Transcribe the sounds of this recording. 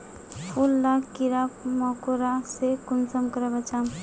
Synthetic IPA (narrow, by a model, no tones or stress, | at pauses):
pʰulːakiɾapmɔkoɾasekunsəmkəɾəbət͡ʃam